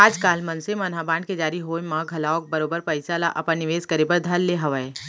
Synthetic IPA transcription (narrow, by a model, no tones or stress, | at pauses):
aːd͡ʒkaːlmɐ̃nsemɐnɦabãːɳɖked͡ʒaːɾiɦoːmãɡʱɐlaːʊk̚bɐɾoːbəɾpəɪsalaʔɐpənːɪʋeːzkəɾebəɾd̪ʱɐlːeɦɐʋəe